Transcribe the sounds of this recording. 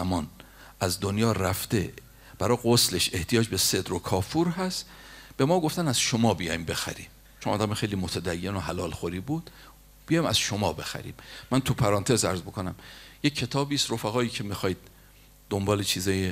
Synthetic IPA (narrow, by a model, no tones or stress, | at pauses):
æmɒːn | ʔæzd̪onjɒːɾæft̪e̞ | b̥æɾɒːɣosle̞ʃe̞ht̪ʰijɒːd͡ʒbesed̪ɾokʰɒːfuɾɦæst̪ | b̥e̞mɒːɡoft̪ænæzʃo̞mɒːbijɒ̰jmbe̞xæ̰ɾḭːm | t͡ʃʰonʔɒːd̪æmexe̞jliːmot̪ʰæd̪æjːe̞noɦælɒːlxoɾiːbuːd̪̥ | b̥ijɒːjmæz̥ʃo̞mɒːbe̞xæ̰ɾḭːmːænt̪ʰupʰæɾɒːnt̪ʰe̞zæ̰ɾzbo̞kʰonæmjecʰːe̞t̪ʰɒːbiːsɾo̞fæɣɒːiːcʰe̞mixɒːjd̪̥̚ | d̪ːombɒːlet͡ʃʰiːzɒːje